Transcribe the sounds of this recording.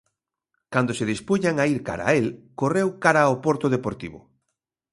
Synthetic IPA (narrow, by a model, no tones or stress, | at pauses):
kand̪oseðispuɲaŋaiɾka̰ɾa̰elkorewkaɾaopoɾt̪oð̞epoɾt̪ḭβʊ̰